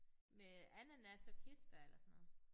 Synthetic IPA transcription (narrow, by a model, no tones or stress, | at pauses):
meænænæsɒkʰisb̥æelʔɐsɔnɔ̽ːð̩ˠ